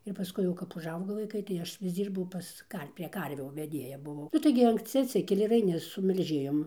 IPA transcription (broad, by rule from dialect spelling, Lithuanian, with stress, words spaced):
ɪr pɐˈskʊɪ jɛʊ kɐp ʊʒˈɐʊɡoː ʋɐɪˈkɐɪ tɐɪ ˈɐʃ ʋʲɪs ˈd͡zʲiːrbɐʊ ˈpɐs ˈdɐr pʲrʲiɛ ˈkɐrʲʋʲuː ʋʲɛˈdʲeːjɛ bʊˈʋɐʊ ˈnʊ tɐɪ ɡʲɪ ɐŋksʲˈt͡sʲɪ ɐtʲˈsʲɪkʲɛlʲɪ ɪr ɐɪˈnʲɪ sʊ mʲɛlʲˈʒʲeːjoːm